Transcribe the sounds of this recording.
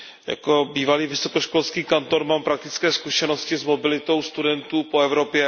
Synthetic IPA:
ja̰ko̞biːvaliːvɪsokoʃkolskiːkant̪o̞ɾmaːmpɾak̚t̪ɪ̥t͡skɛːskuʃɛno̞scɪzmo̞bɪlɪt̪o̞wst̪udɛnt̪uːpoɛvɾo̞pjɛ

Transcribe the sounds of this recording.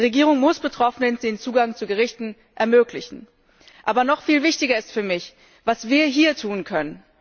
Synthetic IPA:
ʁeɡiːʁ̞ʊŋmʊsb̥ətʁ̥ɔfənəndeːnt͡suːɡaŋt͡suɡəʁɪçtn̩ | ʔɛɐmøːklɪçn̩ | ʔaːbɐnɔχfiːlvɪçtɪɡɐɪstfyːɐmɪç | v̥asv̥iːɐɦiːɐtʰuːnkʰœnən

